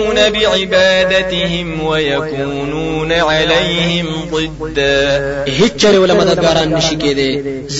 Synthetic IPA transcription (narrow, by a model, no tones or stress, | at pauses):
nabɪʕɪbaːd̪at̪ɪɦɪmwɐjɐkuːnuːnaʕalejhɪmd̪ˤɨd̪ːaːɦɪt͡ʃːɐɾewɐlɐmɐd̪ɐd̪̚ɡaːɾaːnːɪʃɪkeːd̪eː | z